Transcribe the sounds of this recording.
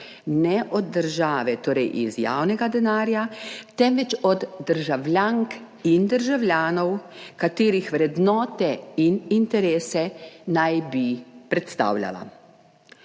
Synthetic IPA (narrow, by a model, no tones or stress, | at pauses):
nɛʔɔd̪d̪ːəɾʒaːʋɛt̪oːɾɛjʔizja̰ːwnɛɡad̪ɛnaːɾjat̪ɛmʋɛt͡ʃɔd̪ːəɾʒawlʲjaŋk | ind̪əɾʒawlʲjaːnɔwkat̪eːɾixʋɾɛd̪nɔːt̪ɛinint̪ɛɾeːsɛnajbipɾɛt̪st̪a̰ːwlja̰la̰